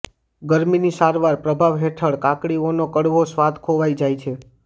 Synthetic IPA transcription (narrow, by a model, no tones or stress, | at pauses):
ɡəɾminisaɾʋaɾpɾəbʱaʋɦeʈʰəɭkãkɽionokəɽʋosʋad̪ʱkʰoʋajd͡ʒajt͡ʃʰe